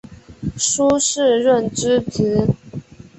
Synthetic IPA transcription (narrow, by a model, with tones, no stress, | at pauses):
ʂu˥ʂɻ̩˥˧ɻə˥˩nʈ͡ʂɻ̩˥t͡s̩˧˥